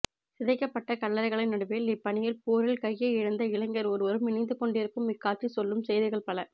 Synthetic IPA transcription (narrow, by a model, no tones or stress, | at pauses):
sɪðɐɪkːɐpːɐʈːɐkɐɭːɐɾɐɪɣɐɭɐɪnɐɽɯpeːlɪpːɐɳɪjɪlpoːɾɪlkɐjːeɪɻɐnd̪ɐɪɭɐŋɡɐɾɔɾɯʋɐɾɯmɪnɐɪnd̪ɯkɔɳɖɪɾɯkːɯmɪkːaːʈrisɔlːɯmsɛjðɪɣɐɭpɐɭɐ